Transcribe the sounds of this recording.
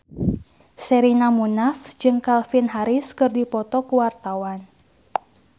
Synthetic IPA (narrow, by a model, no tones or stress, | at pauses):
sɛɾinamunafd͡ʒɨŋkalfinɦaɾiskɨrdipɔt̪ɔkuwart̪awan